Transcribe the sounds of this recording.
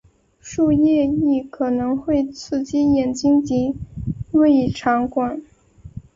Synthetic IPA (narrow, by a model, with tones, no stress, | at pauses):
ʂu˥˧jɛ˥˧i˥˩kʰɤ˨˩nɤ˧˥ŋxwe˥˩ɪt͡sʰɹ̩˥˩t͡ɕi˥jɛ˨˩nt͡ɕi˥ŋt͡ɕi˧˥we˥˩ɪi˨˩ʈ͡ʂʰɑ˧˥ŋkwa˨˩˦n